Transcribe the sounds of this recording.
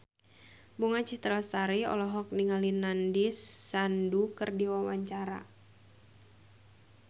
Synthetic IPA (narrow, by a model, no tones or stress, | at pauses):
buŋat͡ʃit̪ɾast̪aɾiɔ̰lɔɦɔk̚niŋalinandisːandukɨrdiwawaɲt͡ʃaɾa̰